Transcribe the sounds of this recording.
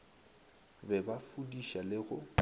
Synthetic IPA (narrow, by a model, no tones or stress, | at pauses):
bɛbafudiʃalɪɣʊ